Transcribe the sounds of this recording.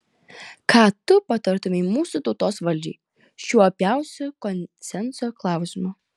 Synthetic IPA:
kɑːt̪ʊpɐt̪ɐɾt̪ʊmʲɛɪmuːsut̪ɔʊt̪oːsʋɐlʲd͡ʒʲḭː | ʃʲuɔɐpʲjæˑʊsʲʊkɔnʲsʲɛnsoːklˠɑˑʊsʲɪmʊ

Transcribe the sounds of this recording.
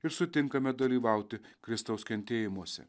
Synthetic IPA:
ɪɾsʊt̪ʲɪŋkɐmʲɛd̪ɐlʲiːʋɑˑʊt̪ʲɪkɾʲɪst̪ɐʊskʲɛnʲt̪ʲeːjɪmuɔsʲɛ̰

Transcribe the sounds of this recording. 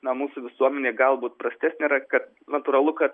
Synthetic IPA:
nɐmusʊʋʲɪsuɔmʲɛnʲɛɡalˠbut̪̚pɾɐsʲt̪ʲɛsʲnʲɪɾɐkɐt̪̚ | nɐt̪ʊɾɐlˠʊkɐt̪

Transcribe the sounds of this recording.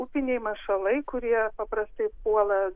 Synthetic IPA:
upʲɪnʲɛɪmɐʃɐlˠɐɪkʊɾʲiɛpɐpɾɐst̪ɐɪpuɔlˠɐ

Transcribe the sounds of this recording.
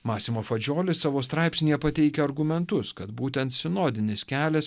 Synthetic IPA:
mɑːsʲɪmoːfɐd͡ʒʲoːlʲɪssɑːʋoːst̪ɾɑˑɪpʲsʲnʲijɛpɐt̪ʲɛɪkʲɛɐɾɡʊmʲɛnt̪ʊskɐt̪buːt̪ʲɛnt̪sʲɪnoːd̪ʲɪnʲɪskʲæːlʲɛs

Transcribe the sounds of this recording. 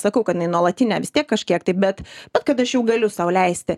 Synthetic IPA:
sɐkɐʊkɐt̪ɪnɐɪnuɔlˠɐt̪ʲɪnʲæːʋʲɪst̪ʲiɛkːɐʃʲkʲiɛkt̪ɐɪbʲɛt̪b̥ʲɛt̪kɐt̪ɐʃjɛʊɡɐlʲʊsɐʊlʲɛɪsʲt̪ʲɪ

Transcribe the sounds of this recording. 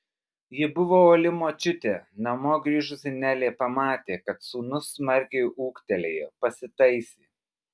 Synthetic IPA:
jɪbʊʋoːoːlʲɪmoːt͡ʃʲʊt̪ʲeːnɐmoːɡɾʲiːʒʊsʲɪnʲæːlʲeːpɐmɑːt̪ʲeːkɐt̪suːnʊsːmɐɾʲkʲɛɪuːkt̪ʲɛlʲḛːjɛpɐsʲɪt̪ɐɪsʲiː

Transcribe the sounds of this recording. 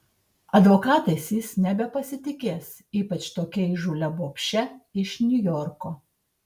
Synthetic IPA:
ɐd̪ʋokɑːt̪ɐɪsʲjisnʲɛbʲɛpɐsʲɪt̪ʲɪkʲeːs | iːpɐt͡ʃt̪oːkʲɛɪʒʊlʲɛboːpʲʃʲɛɪʃnʲʊjɔɾkoː

